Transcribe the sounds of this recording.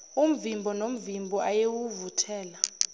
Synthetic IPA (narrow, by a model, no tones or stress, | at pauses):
um̩vimbʱɔnom̩vimbʱɔʔajewuvutʰɛːla